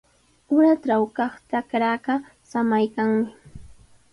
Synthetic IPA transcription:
ʊɾaʈ͡ʂawkɑχt̪akɾaːɢɑ | samajkaŋmɪ

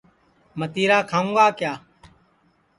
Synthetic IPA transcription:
mət̪iːɾaːkʰaːũːɡaːkjaː

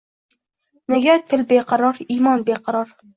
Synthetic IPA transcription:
nɪɡʲat̪ʰɪlbeqʰɑɾɒɾimɒnbeqʰɑɾɒɾ

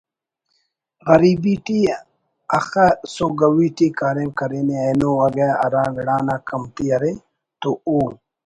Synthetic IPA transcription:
ɣɐɾibiʈi | ɐxasoɡɐwiʈikaːɾẽŋkɐɾinianoɐɡeɐ̰ɾaːʋɪɽaːnakɐmt̪iɐɾe | t̪ooː

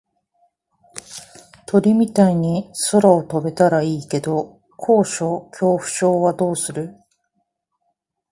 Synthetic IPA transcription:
t̪o̞ɾʲimʲit̪aiɲ̟iso̞ɾaot̪obe̞t̪aɾaiːke̞d̪o̞ | kʰo̞ːɕo̞ːkʲʰo̞ːɸɯ̟̥ɕo̞ːβad̪o̞ːsɨɾɯ̟

